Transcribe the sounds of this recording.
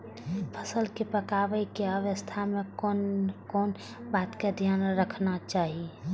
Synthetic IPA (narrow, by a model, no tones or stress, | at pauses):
pʰəsəlkepəkaːʋəikeəʋəst̪ʰamẽkːnkɔːn | baːt̪ked̪ʱjaːnɾəkʰnat͡ʃaːɦie